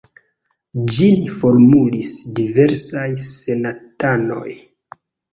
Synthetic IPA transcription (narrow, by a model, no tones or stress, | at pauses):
d͡ʒinifo̞ɾmulisdive̞ɾsajse̞natano̞̰j